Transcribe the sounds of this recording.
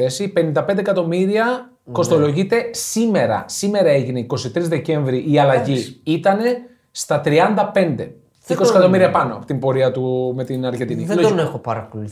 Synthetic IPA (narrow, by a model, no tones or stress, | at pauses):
e̞sipe̞nind̪ɐpe̞nd̪ekɐt̪o̞miɾiɐ | ko̞st̪o̞lo̞ʝit̪e̞sime̞ɾɐ̰sime̞ɾɐeʝineiko̞sit̪ɾizðece̞ɱvɾiʔːɐlɐʝiit̪ɐne̞ | st̪ɐt̪ɾiɐnd̪ɐpe̞nd̪e̞ | iko̞siikɐt̪o̞miɾiɐpɐno̞ɐpot̪imbo̞ɾiɐt̪ume̞t̪inɐɾʝent̪iniloonexopɐɾɐpolu